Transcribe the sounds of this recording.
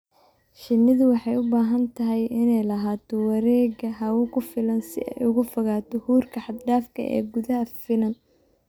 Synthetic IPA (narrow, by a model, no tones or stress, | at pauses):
ʃɪnːɪðʊwɑħɑjʊbaːɦɐnt̪ʰɐɦɛjɪnɛjlɐɦaːt̪ʰɔwɐɾɛːɣɐɦɐwʊkʰʊfɪlɐnsɪ̰ʔɛ̰jʊɣʊfɐɣaːt̪ʰɔhuːrkʰɐħɑd̪ɖaːfkʰɐ̰ʔɛ̰ːɡʊðɐɦɐfɪlɐn